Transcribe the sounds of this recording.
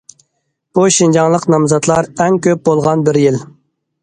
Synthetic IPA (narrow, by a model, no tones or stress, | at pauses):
b̥uʃind͡ʒɑŋlˠəqnɑmzɑt̪lˠɑɾɛŋkʲʰøp̚bolˠʁɑnbɪɾjil